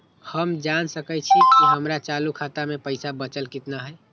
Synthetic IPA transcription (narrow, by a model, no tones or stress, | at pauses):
həmd͡ʒansəkəjt͡ʃʰikiɦəmɾat͡ʃalukʰat̪amepəɪsabət͡ʃəlkit̪naɦəj